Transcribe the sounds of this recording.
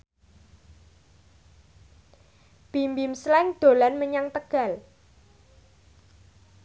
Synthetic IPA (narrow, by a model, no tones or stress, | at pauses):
b̥imbɪmslɛŋd̪̥o̤lanməɲaŋt̪əɡ̥a̤l